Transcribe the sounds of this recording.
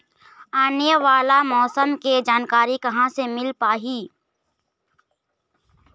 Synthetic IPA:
aːnjəʋaːlamɔːsəmked͡ʒaːnkaːɾikɐɦãsemɪlpaːɦiː

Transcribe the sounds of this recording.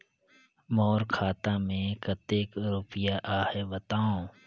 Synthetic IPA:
mɔːɾkʰaːt̪amẽkət̪eːkɾʊpɪjaʔaːhebət̪aːõː

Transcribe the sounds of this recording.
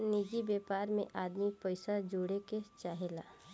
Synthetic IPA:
nid͡ʒibeːpaːɾmḛ̃ʔaːd̪mipəɪsad͡ʒoːɽeket͡ʃaːɦela̰ː

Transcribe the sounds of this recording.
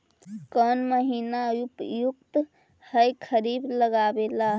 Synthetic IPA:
kənməɦinajupjukt̪ | həjkʰəɾibləɡabelaɦ

